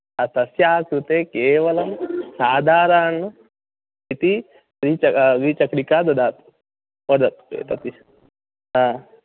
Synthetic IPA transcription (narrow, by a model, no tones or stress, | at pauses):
ɐt̪ɐsjaːkɾut̪eːkeːʋɐlɐmsaːd̪ʱaːɾaːnu | it̪i | ɾit͡ʃɐɾit͡ʃɐkɽikaːd̪ɐd̪aːt̪ | pɐd̪ɐt̪ḛːt̪ɐt̪i | ɦaː